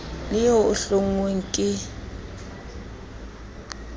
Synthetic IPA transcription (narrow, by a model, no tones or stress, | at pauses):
lɪjɔʊɬoŋ̩weŋ̩kʼɪ